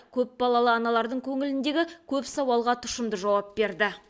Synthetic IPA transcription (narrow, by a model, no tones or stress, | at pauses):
kʲʰɵp̚bɑlˠɑlˠəɑnɑlˠɑɾd̪əɴkʲʰɵŋɪlɪnd̪e̞ɡʲɪkʲʰɵpsɑwɑlˠʁɑt̪ʰʊ̥ʃəmd̪əʒɑwɑp̚be̞ɾd̪ɪ